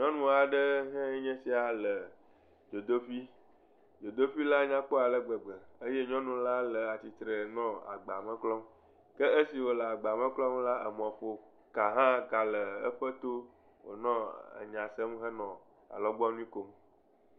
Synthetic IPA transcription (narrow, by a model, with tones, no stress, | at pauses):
ɲɔ̃˦nũ˦a˨ɖə˦ɦɛ̃˦ɲɛ̃˦si˦a˨lə˨ | d͡ʒo˨d̪o˦ɸi˦ | d͡ʒo˨d̪o˦ɸi˦la˦ɲã˦k͡po˦a˨lə˦ɡ͡bə˨ɡ͡bə˨ə˦je˦ɲɔ̃˦nũ˨la˦lə˨a˨t͡ɕi˨t̪ɾə˨nɔ̃˦a̰˨ɡ͡ba˨mɛ̃˦klɔ˦m | kə˦e˦si˨wo˨lə˨a˨ɡ͡ba˨mə̃˦klɔ˦mla˦ə˨mɔ̃˨ɸo˨ | ka˨ɦã˦ka˨lə˨ə̰˦ɸə˦t̪o˦ | wo̰˨nɔ̃˦ə̰˨ɲã˨sə˦mɦɛ˦nɔ̃˨ | a̰˨lɔ˦ɡ͡bɔ˦nũ˦i˦ko˨m